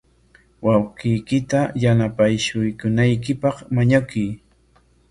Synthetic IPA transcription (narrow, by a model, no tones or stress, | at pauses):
wawqɪjkɪt̪ajanapajʃʊjkʊnajkɪpɑχmaɲakʊj